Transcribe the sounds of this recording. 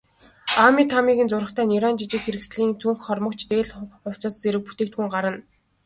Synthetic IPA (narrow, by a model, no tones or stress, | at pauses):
amʲit̪ʰamiːɣɘ̆nt͡sʊɾə̆χt̪ʰæːniɾaːnt͡ɕit͡ɕɪ̆kxeɾɘ̆ksɮiːŋt͡sʰuŋxχɔrmɞ̆kt͡ɕt̪eːɮʊw̥ʲt͡sɔ̆ːst͡seɾɘ̆k̚put̪eːk̚t̪̚ɡuːŋɢaɾə̆n